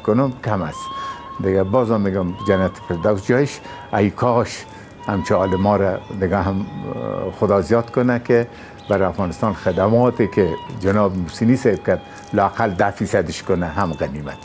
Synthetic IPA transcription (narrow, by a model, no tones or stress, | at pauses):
kʊnʊmkʰamasd̪ɪɡabɒzɔmːeɡɔmd͡ʒanat̪fɪɾd̪awsd͡ʒɔjɪʃ | aikʰɔʃ | hamt͡ʃʰiɑlɪmɔɾad̪ɪɡaɦam | xʊd̪ɑzjɑt̪kʊnake | baɾafɣɑːnɪst̪ɑnxɪd̪amɔːt̪ekʰed͡ʒanɔːbmusinisab̚kad̪ | lɔaqald̪afisad̪ɪʃkʊnaɦamɣanima̰t̪